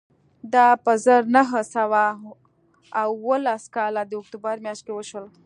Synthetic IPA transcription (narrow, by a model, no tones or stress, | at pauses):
d̪apəzəɾnəɦəsawa | wwəlaskalad̪eʊk̚t̪ubəɾmjaʃt̚kewəʃəl